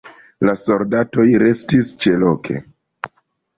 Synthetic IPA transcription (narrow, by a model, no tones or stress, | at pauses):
laso̞ldato̞jɾe̞stist͡ʃe̞lo̞kʰe̞̰